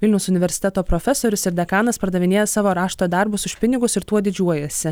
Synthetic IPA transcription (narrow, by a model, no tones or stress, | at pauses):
ʋʲɪlʲnʲɛʊsʊnʲɪʋʲɛɾʲsʲɪt̪ʲɛt̪oːpɾoːfʲɛsoːɾʲʊsɪɾd̪ʲɛkɑːnɐspɐɾd̪ɐʋʲɪnʲeːjɛsɑːʋoːɾɑːʃt̪oːd̪ɐɾbʊsʊʃʲpʲɪnʲɪɡʊsɪɾt̪uɔd̪ʲɪd͡ʒʲuɔjɛsʲɪ